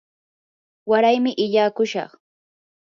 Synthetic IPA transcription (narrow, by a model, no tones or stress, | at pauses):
waɾajmɪʔɪʎaːkʊʃɑ̰χ